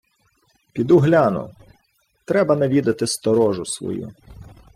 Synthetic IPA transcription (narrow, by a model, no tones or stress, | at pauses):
pʲid̪uɦlʲanʊ̰ | t̪ɾɛbɐnɐʋʲid̪ɐt̪ɪst̪ɔɾɔʒʊsʋɔ̰jṵ